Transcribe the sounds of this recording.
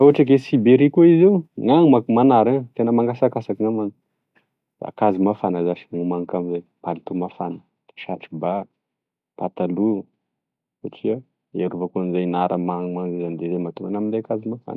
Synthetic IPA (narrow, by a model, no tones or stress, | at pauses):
auɦaʈ͡ʂəɡesibeɾikuizewŋaŋmamanaɾat̪enəmaŋɡasakasakiŋamaŋ | d̪̥a̰kazimafanazaʃi̥ŋumaŋkamizajpalit̪umafanə | ʃaʈ͡ʂiba | pat̪alu | saʈ͡ʂia | eɾuvəkuanizajnaɾʔəmaŋmaŋzizand̪ezemat̪uŋanamind̪eakazimafa̰n